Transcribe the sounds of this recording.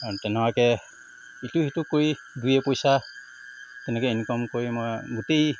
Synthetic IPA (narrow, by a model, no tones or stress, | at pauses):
aɹutɛnɛwakɛ | ituhitukoɹi | dujɛpojsa | tɛnɛkɛinikɔmkoɹimojɡʊtej